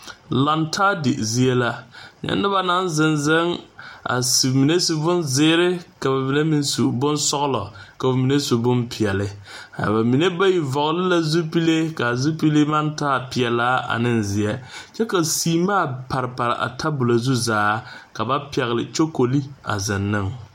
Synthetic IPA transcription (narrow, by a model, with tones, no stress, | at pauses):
la˨ntʰaː˦dɪ˨zi˦e˦la˦ɲɛ̰˦nːɪ˦ba˦na˦n˦zɪ˨nzɪ˦ŋa̰˨su˨mi˨ne˦su˨bʊ˦nzɪ˦ɾɪ˦ka˨ba˨mi˨ne˦mi˦nsu˨bʊ˦nsɔ˦ɣlɔ˨ka˨mi˨ne˦su˨bʊ˦npʰɪ˨ɛ˨lɪ˨ | a̰˨ba˨mi˨ne˦ba˦ji˨vɔ˨ɣlɪ˦la˦zu˦pi˦le˦ka˨zu˦pi˦le˦ma˦ntaː˦pɪ˨ɛ˨laː˦a̰˨nɪ˦nzɪ˨ɛ˦t͡ʃɛ˦ka˨siː˦maː˦˨pa˨ɾɪ˨pa˨ɾɪ̰˨ʔa̰˨tʰa˦bʊ˨la˨zu˦zaː˦ka˨ba˦pi˨ɛ˨ɣlɪ̰˨t͡ʃo˦ko˨li˦a̰˨zɪ˨nːɪ˦ŋ